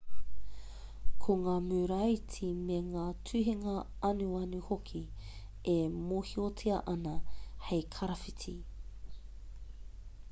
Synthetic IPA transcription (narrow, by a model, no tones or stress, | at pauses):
kʰoŋaːmʉːɾɐjt͡sʰimeŋaːtʰʉɦiŋɐ | ɐnuɐnuhokʰi | emoːhiot͡sʰiɐʔɐnɐhejkʰɐɾɐfitʰi